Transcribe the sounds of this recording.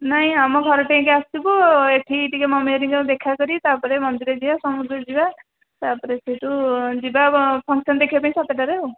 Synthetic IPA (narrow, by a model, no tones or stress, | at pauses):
naɦĩamɔɡʱɔɾɔʈaĩkeastibɔeʈʰiʈikemɔmeɾiŋɡɔd̪ekʰakɔɾit̪apɔɾemɔnd̪iɾɔd͡ʒibasɔmud̪ɾɔd͡ʒiba | t̪apɔɾeseʈud͡ʒibapʰɔŋksɔnd̪ekʰibapaĩsat̪eʈaɾeo